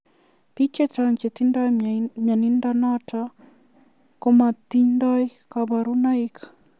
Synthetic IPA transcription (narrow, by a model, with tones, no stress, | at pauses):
pi˦t͡ʃe˦t͡ʃaŋt͡ʃe˨t̪i˦ndamja˨ni˦ndana˦ta | ko˦ma˨t̪i˦ɲnda˦jkaba˨ɾu˦na˦ikḁ